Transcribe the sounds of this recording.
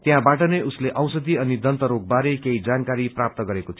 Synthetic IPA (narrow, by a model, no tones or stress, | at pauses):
t̪jãbaʈʌnʌjusleʔʌwsʌd̪iʌnid̪ʱʌnt̪ʌɾoɡ̚baɾejkeid͡zankaɾiprap̚t̪ʌɡʌɾekot̪ʰ